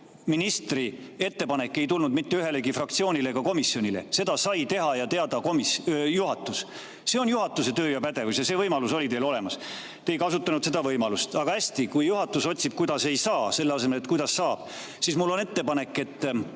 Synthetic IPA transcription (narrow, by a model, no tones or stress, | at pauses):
minist̪rie̞t̪ːe̞pɑne̞kːˑe̞jt̪ulnud̪mit̪ːe̞yɦe̞leɡifrɑk̚t̪sioːnʲileɡɑko̞misːio̞nʲile̞̰se̞d̪̥ɑsɑjt̪e̞ɦɑjɑt̪e̞ɑd̪ɑkomisjuɦɑt̪ːˑus | se̞o̞njuɦɑt̪ːˑuse̞t̪øːjɑpæd̪e̞vusjɑse̞ːvɤjmɑluso̞lit̪e̞ːlo̞le̞mɑs | t̪ejkɑsut̪ːˑɑnud̪̥se̞d̪̥ɑvɤjmɑlust̪ɑɡ̥ɑæsʲt̪ikujjuɦɑt̪ːˑuso̞t̪ʲsib̥̚kujd̪̥ɑse̞jsɑːse̞lːɑs̬e̞me̞let̪̚kujd̪ɑsːɑːb̥ | sismulːo̞ne̞t̪ːepɑne̞kːˑe̞t̪ː